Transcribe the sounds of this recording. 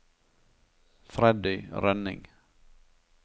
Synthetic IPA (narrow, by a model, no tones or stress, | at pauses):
fɾɛd̪ʏɾœnɪ̰ŋ